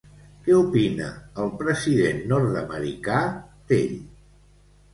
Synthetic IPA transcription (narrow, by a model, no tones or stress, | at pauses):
kɛupinə̰ːlˠpɾəziðenːɔɾt̪əməɾḭkad̪̥ḛʎ